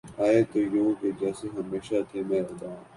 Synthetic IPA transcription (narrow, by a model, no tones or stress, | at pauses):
aːet̪ojoːked͡ʒɛːseɦɐmeːʃat̪ʰemɛ̃ːɾɐd̪ãː